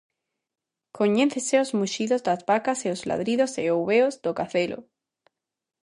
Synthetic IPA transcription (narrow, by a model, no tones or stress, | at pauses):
koɲenθeseozmuʃiðozd̪azβakaseozla̰ðɾiðoseowβeozd̪okaθelo̰